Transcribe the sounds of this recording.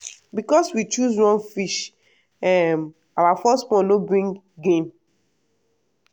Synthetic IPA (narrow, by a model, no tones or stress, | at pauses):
bikɔswit͡ʃusɹɔ̃nfiʃ | ɛm | awafɔstwɔ̃nlobɹĩŋ | ɡẽm